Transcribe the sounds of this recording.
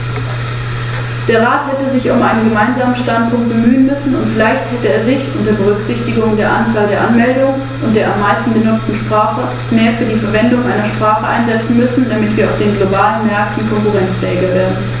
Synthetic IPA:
d̥eːɐʁ̞aːthɛtəzɪçʊmʔaɪnənɡəmaɪnzaːmənʃtant̚pʰʊŋkt̚b̥əmyːənmʏsn̩ʊntfɪlaɪçthɛtəeːɐzɪçʊnteɛɐbəʁ̞ʏkz̥ɪçtɪɡʊŋdeːɐʔant͡saːldeːɐʔanmɛldʊŋən | ʊntd̥eːɐamːaɪstn̩bənʊt͡stn̩ʃpʁ̥aːχə | meːɐfyːɐdiːfɛɐvɛndʊŋʔaɪnɐʃpʁ̥aːχəʔaɪnzɛt͡sn̩mʏsn̩damɪtv̥iːɐaʊfd̥eːnɡlobaːlənmɛɐk̚tn̩kʰɔŋkuʁɛnt͡sɛːɡɐveːɐdn̩

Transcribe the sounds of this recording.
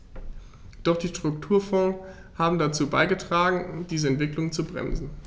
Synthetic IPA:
d̥ɔχd̥iːʃtʁ̥ʊktʰuːɐfɔː | haːbm̩dat͡suːbaɪɡətʁ̥aːɡŋ̩d̥iːzəɛntv̥ɪklʊŋt͡subʁɛ̰mzn̩

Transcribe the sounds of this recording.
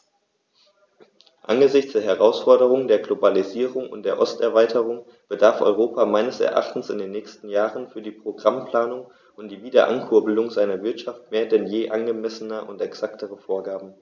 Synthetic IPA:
ʔa̰nɡəzɪçt͡sd̥eːɐɦɛʁaʊsfɔɐɾəʁʊŋdeːɐɡlobaliziːʁʊŋʊ̰nt̚d̥eːɐʔɔstɛɐvaɪtʰəʁʊŋ | b̥ədaɐfʔɔ̰ʏʁoːpʰamaɪnəsɛ̰ɐʔa̰χtn̩sɪ̰ndeːnːɛːçstn̩jaːʁənfyːɐdiːpʁ̥oɡʁampl̥aːnʊŋ | ʔʊnt̚d̥iːviːdɐ̰ʔa̰nkʰʊɐbəlʊŋzaɪnɐvɪɐtʃaftmeːɐdɛnjeːʔanɡəmɛsənəʔʊntɛksaktʰəʁəfoːɐɡaːbm̩

